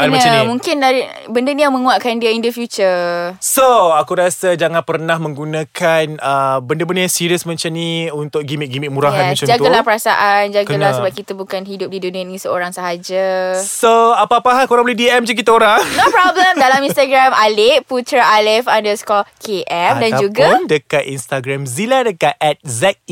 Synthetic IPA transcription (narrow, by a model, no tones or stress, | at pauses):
anmaaamũŋkɪnai | bəndənijaŋmə̃ŋũaʔkandiəindəfjut͡ʃəsoakuɾiasad͡ʒaŋãnpərnahmə̃ŋɡunãkʰanəbəndəbəndajaŋsiɾiəsmat͡ʃamniunt̪ʊk̚ɡimiʔ̚ɡimik̚muɾaɦjanãt͡ʃamd͡ʒaɡ̪alahpəɾasa̰ʔand͡ʒaɡkalahsəbaʔkit̪abukanɦidʊp̚didunianĩsəoɾaŋsaɦad͡ʒasoapaːpaakoɾaŋbəlidiɛmd͡ʒuk̬it̪aoɾaŋnopɾɔbləmdalaminst̪aɡɾamalɪput̪ɾaʔalɛfandəskɔkʰeʔɛmdand͡ʒuɡandəkat̪inst̪aɡɾamziladəkat̪ʔɛt̪̚zɛt̪̚